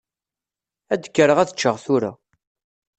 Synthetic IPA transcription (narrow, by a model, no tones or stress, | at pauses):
æd̪əkːəɾəʁæθə̥t͡ʃːəʁθuɾa̰